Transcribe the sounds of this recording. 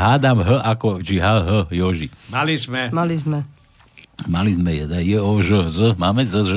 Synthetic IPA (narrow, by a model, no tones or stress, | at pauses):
ɦaːd̪amɦəʔakɔt͡ʃiɦaɦəjɔʒimalizmɛmalizmɛ | malizmɛjɛd̪ajɛɔʒəzəmaːmɛzəʒə